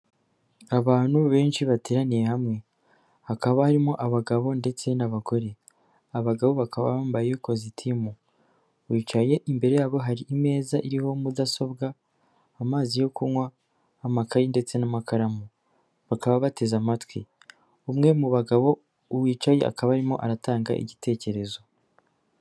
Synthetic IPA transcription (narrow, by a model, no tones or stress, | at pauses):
aβaːn̥huβe̞ːnʃiβate̞ːɾanijehamŋe̞ | hakaβahaɾimo̞ʔaβaɡaβo̞nde̞t͡se̞naβaɡo̞ɾe̞ | aβaɡaβo̞βakʰaβa̰βaːmbajejokozitʰimu | wiːt͡ʃaje̞ʔimbe̞ɾe̞jaːβo̞ɦaɾiʔime̞ːzaʔiɾiho̞mudaso̞bɡaː | maːzijo̞kuŋwaː | makajinde̞t͡se̞namakʰaɾamu | βakaβaβate̞zamatwi | umŋe̞muβaɡaβo̞ | uwiːt͡ʃaje̞̰ʔa̰kaβaɾimo̞̰ʔaɾataːŋɡa̰ʔḭɟite̞ːce̞ɾe̞zo̞